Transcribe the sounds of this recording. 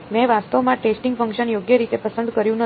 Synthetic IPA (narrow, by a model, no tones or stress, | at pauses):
mɛ̃ʋast̪əʋmãʈesʈĩŋɡfəŋkʃənjoɡjəɾit̪epəsənd̪kəɾjũnə